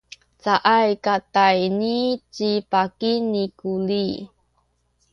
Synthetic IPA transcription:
t͡saʔajkatajnit͡ɕipakinikuli

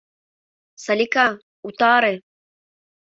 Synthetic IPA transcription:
sɐlʲika | ut̪aːɾe

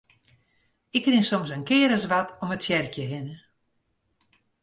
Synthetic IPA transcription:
ɪkrɪŋsɔmsənkɪːɾəsʋatɔmətsjɛrkjəɦɪnə

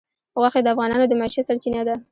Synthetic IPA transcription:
ɣwaxed̪əafɣɑnɑnod̪əmaʃesaɾt͡ʃinad̪a

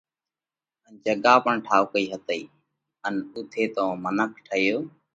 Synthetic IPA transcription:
ənd͡ʒəɠaːpəɳʈʰaːʋokəiːɦət̪əiː | ənʊt̪ʰeːt̪õːmənəkʰʈʰəɪjoː

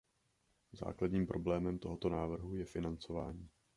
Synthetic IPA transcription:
za̰ːkladɲiːmpɾʔo̞blɛːmɛmt̪o̞ɦo̞t̪o̞naːvr̩ɦujɛfɪnant͡so̞vaːɲiː

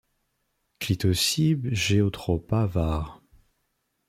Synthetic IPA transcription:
klit̪ɔsibʒeɔt̪χɔpavaʁ

